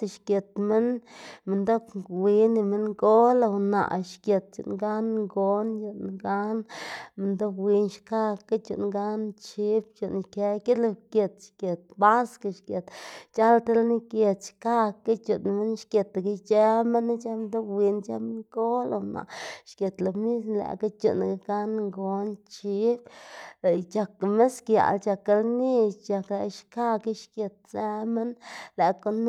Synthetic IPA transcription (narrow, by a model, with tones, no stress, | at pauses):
t̪ʃkʲe˨t̪mi˦nmi˨nd̪o˦kwi˧˦ni˧mi˦nɡo˦lo˧wna̰˨ʔʃkʲe˨t̪̚t͡ʃṵ˨ʔnɡa˦nɡo˧nt͡ʃu˧nɡa˦nmi˧nd̪o˦kwi˧˦nʃka˦˧ka˦t͡ʃṵ˨ʔnɡa˦nt͡ʃi˦bt͡ʃo˨ʔnke˧ke˦d̪lo˧kʲe˨t̪ʃke˨t̪̚ba˦ska˧˨ʃkʲe˨t̪t͡ʃa˦lt̪e˧lni˦ke˧t̪ʃka˦ki˦t͡ʃu˨nme˦nʃkʲe˨t̪ɡi˧t͡ʃe˦me˦nː˦t͡ʃa˦md̪o˦wi˧nt͡ʃa˦m˦ŋko˦lo˨na̰˨ʃkje˨t̪lo˨bni˦snlæ̰˨ka˦t͡ʃṵ˨n˨ɡa˧ɡa˦nŋɡo˨˦nt͡ʃi˧˦bla˨t͡ʃa˨kme˦skja̰˨lt͡ʃa˨ke˧˦lni˦t͡ʃa˨kla˨ʃka˦ki˦ʃkje˨t̪̚se˦me˦nle˨ko˦n